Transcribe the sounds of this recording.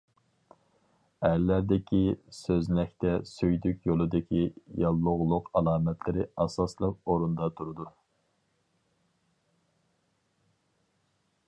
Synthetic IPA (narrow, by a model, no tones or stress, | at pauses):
æɾlæɾd̪ɪkʲisøznɛk̚ʲt̪ɛsøjd̪ykʲjolˠɨd̪ɪkʲʰijɑlˠːʊʁlˠʊqɑlˠɑːmɛt̪ʰlɪɾɪɑsɑslˠəq̚oɾund̪ɑt̪ʰuɾud̪u